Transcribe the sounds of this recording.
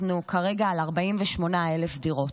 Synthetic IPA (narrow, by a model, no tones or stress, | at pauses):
nukʰaʁe̞ɡaːlaʁbaimveʃmo̞naelefdiʁo̞t